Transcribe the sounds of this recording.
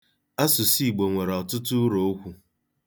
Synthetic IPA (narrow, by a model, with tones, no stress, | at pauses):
a˦sʊ˨si˦˨ɡ͡bo˨ŋʷe˨ɾɔ˨tʊ˦tʊ˦ɾo˨o˦kʷu˦